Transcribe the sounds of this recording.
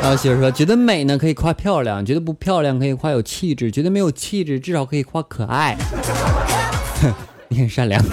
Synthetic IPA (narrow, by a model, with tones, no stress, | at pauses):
a˥˩ɕi˨˩ə˧˥ʂwɔ˥t͡ɕɥɛ˧˥d̪ə˧me˨˩ɪnə˦kʰɤ˧˥i˨˩kʰwa˥pʰjɑ˥˧ʊljɑ̰˥˩ŋt͡ɕɥɛ˧˥d̪ə˧p̬u˧˥pʰjɑ˥˧ʊljɑ˥˩ŋkʰɤ˧˥i˨˩kwa˥˩jo˨˩ʊt͡ɕʰi˥˧ʈ͡ʂɻ̩˥˩t͡ɕɥɛ˧˥d̪ə˧m˧˥ɪjo˨˩ʊt͡ɕʰi˥˧ʈ͡ʂɻ̩˥˩ʈ͡ʂɻ̩˥˩ʂɑ˧˥ʊkʰɤ˧˥i˨˩kʰwa˥kʰɤ˨˩ʔa˥˩ɪ | i˧˥kʰʂa˥˩ljɑ̰˧˥ŋ